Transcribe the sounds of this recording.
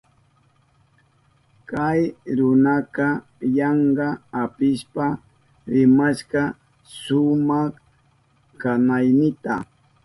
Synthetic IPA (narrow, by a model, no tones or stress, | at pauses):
kajɾʊnakɑ | jaɑɴɢɑapɪʃpa | ɾɪmaʃɢɑ | sʊmɑχ | kanajnɪt̪a̰